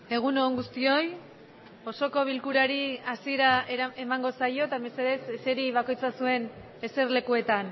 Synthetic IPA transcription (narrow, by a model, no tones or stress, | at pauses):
e̞ɣ̞unoːŋɡust̪io̞j | o̞so̞ko̞βilkuɾaɾiasie̞ɾaeɾae̞maŋɡo̞sajo̞t̪aemeseðesese̞ɾiβako̞jt͡sasue̞n | e̞se̞ɾle̞kue̞t̪an